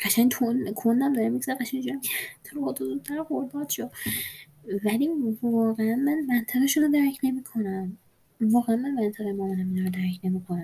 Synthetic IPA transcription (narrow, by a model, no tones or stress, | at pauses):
ɢ̥æʃæɲʰonkʰonːæmd̪ɒɾemiɡzæɾeɡæʃæɲd͡ʒuæmcʰet̪ʰoɾoɑt̪ʰozuːt̪ʰːæɾxoɾd̪ɒːd̪ʃo | vælivɒːɣeænmænmænt̪ʰæɣeʃunɔd̪æɾcʰne̞mikʰo̞næm | vɒːɣeænmænmænt̪ʰæɣejmɒːnnæminɒɾd̪æɾcʰne̞miːkʰonæm